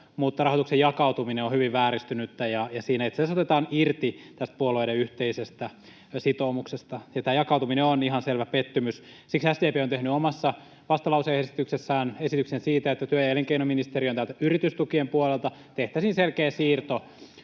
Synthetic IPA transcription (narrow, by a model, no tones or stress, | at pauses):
mut̪ːɑrɑhot̪uksejɑkɑut̪umineohyʋiʋʋæːɾist̪ynyt̪ːæjɑjɑsiːnæet̪sesot̪et̪ɑːnirt̪it̪æst̪̚puoloiɾeyht̪eisest̪æ | sit̪oːmuksest̪ɑjɑt̪æːjɑkɑut̪umineoniɦɑnselʋæpet̪ːymys | siksæsd̪eːpeːot̪ehnyomɑsːɑ | ʋɑst̪ɑlɑuseesi̥t̪yksesːæːnesit̪yksensiːt̪æet̪ːæt̪yøjæeleŋkeinominist̪erijont̪ælt̪æyrit̪yst̪ukiempuolelt̪ɑt̪eht̪æsiːnselkeːsiːrt̪o